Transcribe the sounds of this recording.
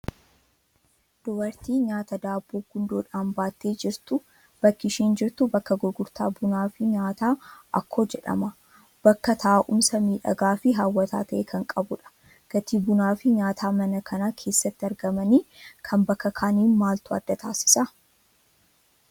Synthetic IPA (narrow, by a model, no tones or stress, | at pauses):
d̪̥ʊbɐɾt̪iːɲaːt̪ɐd̪aːbːoːɡʊnd̪oːᶑaːnbaːt̪ːe̞ːd͡ʒɪɾt̪ʊ | b̥ɐkːɪʃiːnd͡ʒɪɾt̪ʊbɐkːɐɡɔɡʊɾt̪aːbʊnaːfɪɲaːt̪aːɐkʰːo̞ːd͡ʒɛᶑɐ̰mɐ | b̥ɐkːɐt̪ʰɐʔaʔʊmsɐmiːᶑɐ̰ɡaːfɪɦaːwːɐt̪ʰa̰ːt̪ɐʔeːkʰɐŋkʼɐbʊᶑɐ̥ | ɡ̥ɐt̪iːbʊnaːfɪɲaːt̪ʰaːmɐnɐkʰɐnakʰe̞ːsːɐt̪ːɪɐɾɡɐmɐniːkʰɐmbɐkːɐkʰaːniːnmaːlt̪ʊɐ̰d̪ːɐt̪ʰaːsɪ̥sɐ